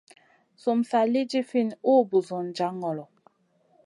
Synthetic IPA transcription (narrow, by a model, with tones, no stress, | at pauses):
so˨msa˨li˦d͡ʒi˦fi˦˨no˦˨bu˨zo˨n˨d͡ʒa˨˦ŋɔ˨lɔ˨